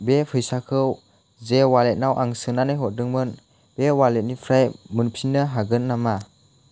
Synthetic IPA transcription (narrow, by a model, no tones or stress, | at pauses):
bepʰɯjsakʰɯw | zewalet̚nawʔaŋsɯnanajɦɔt̚dɯŋmɯn | b̥ewalet̚nipʰɾajmɯnpʰinɯɦaɡɯnːama